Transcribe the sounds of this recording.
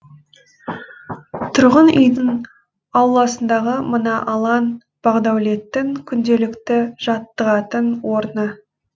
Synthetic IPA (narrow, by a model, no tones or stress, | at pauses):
t̪ʰʊɾʁənʏ̰jd̪ɪn | ɑwlˠɑsənd̪ɑʁəmənɑʔɑlˠɑn | b̥ɑʁd̪ɑwle̞t̪ːɪŋkʲʰʏnd̪e̞lɪkt̪ɪʒ̥ɑt̪ːəʁɑt̪ənwo̞ɾnə